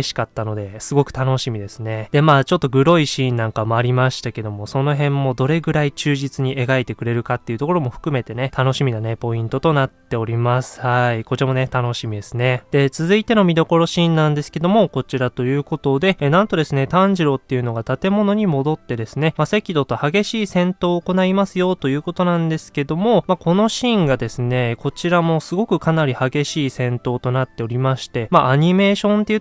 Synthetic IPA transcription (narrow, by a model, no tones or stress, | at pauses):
eɕi̥kat̪ːano̞d̪e̞sɨɡo̞kɯ̟̥t̪ano̞ɕimʲid̪e̞sɨne̞d̪̥e̞maːt͡ɕo̞t̪ːo̞ɡɯ̟ɾo̞iɕĩːnnãŋkamoaɾʲimaɕi̥t̪ake̞d̪o̞mo̞so̞no̞ɦẽ̞mːo̞d̪o̞ɾe̞ɡɯ̟ɾait͡ɕɨːʑit͡sɨɲ̟ie̞ɡait̪e̞kɯ̟ɾe̞ɾɯ̟kat̪ːe̞iɯ̟t̪o̞ko̞ɾo̞mo̞ɸɯ̟̥kɯ̟me̞t̪e̞ne̞t̪ano̞ɕimʲinane̞po̞ĩnt̪o̞t̪o̞natt̪ːe̞o̞ɾʲimasɨ̥haiko̞t͡ɕiamo̞ne̞t̪ano̞ɕimʲid̪e̞sɨne̞d̪̥e̞t͡sɨzɨit̪e̞no̞mʲid̪o̞ko̞ɾo̞ɕĩːnːãnd̪e̞sɨ̥ke̞d̪o̞mo̞ko̞t͡ɕiɾat̪o̞jɯ̟ːko̞t̪o̞d̪e̞nãnt̪o̞d̪e̞sɨne̞t̪ãɲ̟ʑiɾo̞t̪ːe̞jɯ̟no̞ɡat̪at̪e̞mo̞no̞ɲ̟imo̞d̪o̞t̪ːe̞d̪e̞sɨne̞mase̞kʲid̪o̞t̪o̞haɡe̞ɕiːsẽ̞nt̪o̞ːko̞naimasɨjo̞t̪o̞jɯ̟ːko̞t̪o̞nãnd̪e̞sɨ̥ke̞d̪o̞mo̞mako̞no̞ɕĩŋɡad̪e̞sɨne̞ko̞t͡ɕiɾamo̞sɨɡo̞kɯ̟kanaɾʲihaɡe̞ɕiːsẽ̞nt̪o̞ːt̪o̞nat̪ːe̞o̞ɾʲimaɕi̥t̪e̞maʔaɲ̟ime̞ːɕõ̞nt̪eɯ